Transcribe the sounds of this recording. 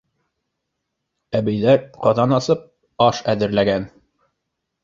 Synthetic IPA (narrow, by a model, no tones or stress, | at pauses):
æbɘ̆jðæɾqɑðɑnɑsɤp̚ | ɑʃæðɘ̆ɾlæɡæn